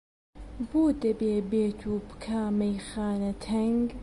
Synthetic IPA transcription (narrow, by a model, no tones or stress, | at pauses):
boːd̪ɐbeːbeːt̪ʰuːbɨ̥kʰaːmejxaːnɐt̪ʰɐŋɡ